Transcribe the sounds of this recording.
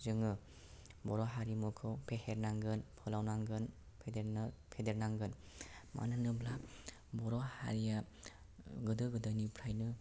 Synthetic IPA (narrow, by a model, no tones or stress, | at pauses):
zɯŋɯ | bɔɾɔɦaɾimukʰɯwpʰeheɾnaŋɡɯnpʰɯlawnaŋɡɯn | pʰedpʰedeɾnaŋɡɯn | ma̰nɯnɯbla | bɔɾɔha̰ɾija | ɡɯdɯɡɯdajnipʰɾajnɯ